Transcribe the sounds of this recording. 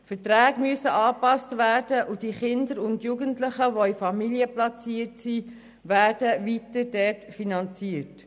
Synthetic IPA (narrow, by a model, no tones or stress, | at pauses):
fətɾæːɡmyəsəʔɑːpɑstvæːɾdəʔʊdiχɪndəɾʊndjuːɡəntlɪχəʋoifɑmiliəplɑt͡siːətsi | ʋæːrdəʋitəd̥ɛtfinɑnt͡siət